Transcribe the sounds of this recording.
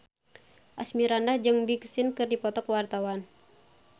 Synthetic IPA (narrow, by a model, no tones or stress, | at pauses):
ʔasmiɾandahd͡ʒɨŋbiksinkɨrdipɔt̪ɔkwart̪awan